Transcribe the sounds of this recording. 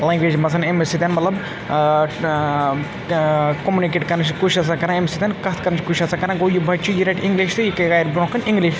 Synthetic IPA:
lãŋɡʋeːd͡ʒmɐsʰɐnemesit̪ʲenmɐt̪lɐb | komunik̬eʈkɐɾnɨt͡ʃʰkut͡ʃʰɐsakɐɾãemesit̪ʲeːnkɐɦt̪ʰkɐɾnt͡ʃʰkut͡ʃʰɐsakɐɾãɡojibʱɐt͡ʃʰujiɾaʈʰĩŋɡliʃt̪ɨjikɐkaːjɾbɾõkɐniŋɡliʃ

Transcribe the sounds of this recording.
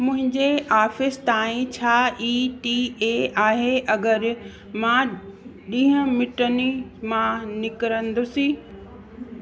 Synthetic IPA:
mʊ̃ɦɪ̃ɲd͡ʑeʔaːfɪst̪aːĩt͡ɕʰaːiːʈiːeaːɦeʔɐɡəɾ | mã | ɗĩːɦə̃mɪʈənimãnɪkəɾə̃nd̪osĩː

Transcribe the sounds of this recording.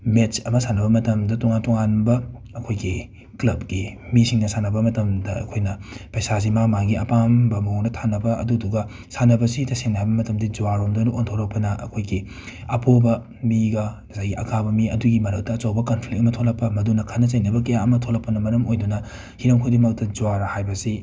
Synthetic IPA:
met͡ʃɐmɐsanɐbɐmɐtɐmdɐtɔŋantɔŋanbɐ | ɐkʰojɡi | klɐb̚ɡimisiŋnɐsanɐbɐmɐtɐmdɐɐ̰kʰojnɐpɐjsas̬imamaŋɡiɐpambɐmɐɦoŋnɐtʰanɐbɐɐ̰duduɡɐ | sanɐbɐsitɐseŋnaajbɐmɐtɐmdid͡ʒuaɾomdonuʔontʰolɐk̚pɐnɐʔɐ̰kʰojɡi | ɐpʰobɐ | miɡɐ | zajɡiʔɐkʰabɐmiɐduɡimɐɾɐk̚tɐːt͡ʃawbɐkɐnpʰlik̚ɐmɐtʰolɐk̚pːɐmɐdunɐkʰɐnɐzɐjnɐbɐkɐjaɐmɐtʰolɐk̚pːɐnɐmɐɾɐmojdunɐ | hiɾɐmkʰojdimawtɐd͡ʒuwaɾɐhajbɐsi

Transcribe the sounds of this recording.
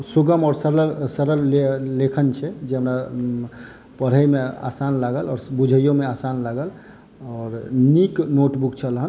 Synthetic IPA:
suɡəmɔːɾsəɾəɾsəɾəlelekʰənt͡ʃʰɛd͡ʒeɦəmɾa | pəɽ̤əjmea̰sanlaɡəlɔːɾbud͡ʒʱəjomeasanlaɡəl | ɔɾniknoʈbukt͡ʃʰəlɦən

